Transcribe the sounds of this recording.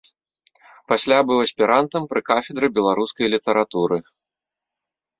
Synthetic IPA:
pasʲlʲabɨwɐsʲpʲiɾant̪ɐmpɾɨkafʲɛd̪ɾɨbʲɛlˠaɾuskɐjlʲit̪ɐɾat̪uɾɨ

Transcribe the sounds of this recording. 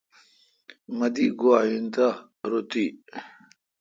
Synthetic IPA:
mɐd̪iɡuaːjint̪a | ɾut̪i

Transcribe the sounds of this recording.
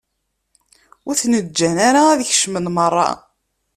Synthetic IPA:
uθnəd͡ʒːænaɾaːðəçʃmənmərˤːɑ̰

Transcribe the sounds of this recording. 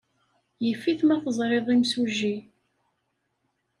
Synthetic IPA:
jəfːiθmæθəzˤɾˤeðˤimsuʒi

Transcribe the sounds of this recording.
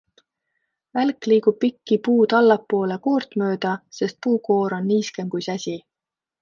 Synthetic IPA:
vælkliːkub̥̚pikːipuːt̪ɑlːɑpːo̞ːleko̞ːrt̪mø̞ːd̪̥ɑse̞st̪̚puːko̞ːɾo̞nːiːske̞mkujsæsʲi

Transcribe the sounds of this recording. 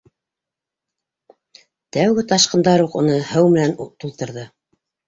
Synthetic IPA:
t̪æwɡɘt̪ɑʃqɤ̆nd̪ɑɾuqṵ̆nɤhɘwmɘ̆nænt̪ulˠt̪ɤ̆ɾðɤ

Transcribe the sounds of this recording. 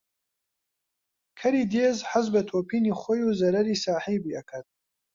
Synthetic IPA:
kʰɐɾiːd̪eːzħazbɐt̪ʰoːpʰiːniːxoːjuːzɐɾɐɾiːsaːħiːbiːɐkʰɐt̪̚

